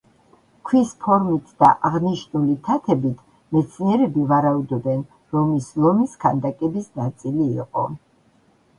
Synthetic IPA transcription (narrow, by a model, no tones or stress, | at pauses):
kʰwispʰɔɾmit̪ʰd̪aʔaʁniʃnulit̪ʰat̪ʰɛbit̪ʰ | mɛt̪sʰniɛɾɛbivaɾaud̪ɔbɛn | ɾɔmislˠɔmiskʰand̪akʼɛbisnat̪sʼiliːqʼɔ